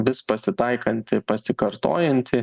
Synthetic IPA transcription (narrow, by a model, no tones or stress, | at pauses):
ʋʲɪspɐsʲɪt̪ɐɪkɐnʲt̪ʲɪpɐsʲɪkɐɾt̪o̰ːjɛnʲt̪ʲɪ